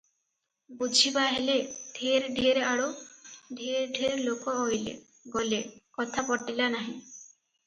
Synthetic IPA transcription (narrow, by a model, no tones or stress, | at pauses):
bud͡ʒʱibaɦeled̪ʱeɾɖʱiɾaɽoɖʱeɾɖʱeɾlokɔojlḛ | ɡolekɔt̪ʰapɔʈilanaɦĩ